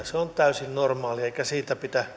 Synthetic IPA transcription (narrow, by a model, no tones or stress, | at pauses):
seont̪æysinnormɑːlieikæsiːt̪æpit̪æ